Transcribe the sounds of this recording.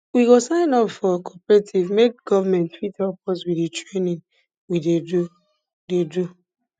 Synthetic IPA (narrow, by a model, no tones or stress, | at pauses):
wiɡosãɪ̃nɔpfɔkʰɔpɛɹetʰivmek̚ɡ̥ɔvamɛ̃ntfitɛpʰɔswiditɹenĩn | widedu | dedu